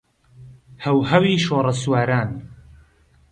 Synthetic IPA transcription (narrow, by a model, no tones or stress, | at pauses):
hɐwɦɐwiːʃoːrˤɐswaːɾaːn